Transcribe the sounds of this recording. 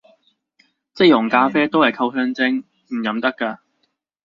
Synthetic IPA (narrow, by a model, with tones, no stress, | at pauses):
t͡sɪ˥jʊ˨˩ŋkaː˧fɛː˥t̪o˥whɐ˨jkʰɐ˧wsœː˧ŋt͡sɪ˧ŋ | m̩˨˩jɐ˨˧˥mt̪ɐ˥kːaː˧